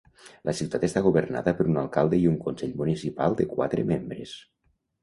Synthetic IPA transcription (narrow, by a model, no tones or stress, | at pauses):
lʔəsiwt̪at̪est̪aɣuβərna̰ðəpəɾunalˠkalˠd̪əiuŋkunsɛʎmunisipalˠd̪əkwa̰t̪ɾə̰membɾəs